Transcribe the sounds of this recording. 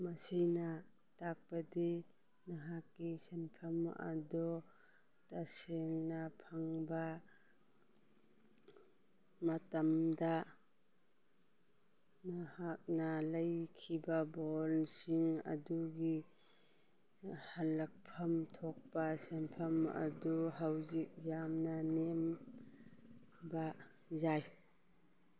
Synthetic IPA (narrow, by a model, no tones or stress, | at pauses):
mɐsina | tak̚pɐdi | naɦakːisenpʰɐma̰dɔ | taseŋnɐpʰaŋbɐ | mɐtɐmda | nahak̚nɐlɐjkʰibɐbolsiŋɐ̰duɡi | halɐk̚pʰɐmtʰok̚pɐsempʰɐmɐ̰duɦawzik̚jamnɐnem | bɐ | zaj